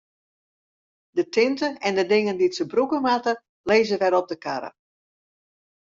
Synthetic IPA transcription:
dətɪntəɛndədɪŋənditsəbrukəmatə | leːzəʋɛɾɔp̚dəkʰaɾə̰

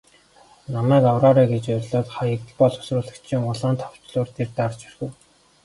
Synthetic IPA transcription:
namæːkɔwɾɔːɾæːɡet͡ɕʊrʲɮɔːt̪χajə̆kɮpɔɮʊ̥srʊːɮə̆kt͡ɕʰiŋʊɮaːnt̪ʰɔw̥t͡ɕɮʊːrt̪ʰert̪art͡ɕʰi̥rxɘ̆w

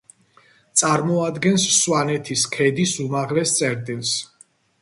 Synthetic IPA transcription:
t̪sʼaɾmɔad̪ɡɛnsːwanɛt̪ʰiskʰɛd̪isumaʁlɛst̪sʼɛɾd̪ins

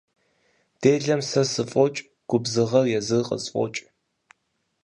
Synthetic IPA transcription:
d̥eːɮɐmsɐsɨfʼɔt͡ʃʼ | ɡ̥ʷʊbzɨʁɐrjɛzɨqʼə̰zfʷʼɔ̰t͡ʃʼ

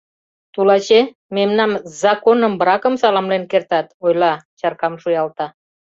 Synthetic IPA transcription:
t̪ulɑt͡ɕe | memnɑmzɑkonəmbɾɑkəmsɑlɑmlenkert̪ɑt̪ojlɑt͡ɕɑrkɑmʃujɑlt̪ɑ

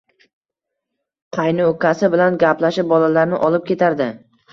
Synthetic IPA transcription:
qʰɑjnɪokʰʲasɪbɪlanɡʲaplaʃɪp̚bɒlalaɾnɪʔɒlɪp̚kʲʰe̞t̪ʰaɾd̪ɪ

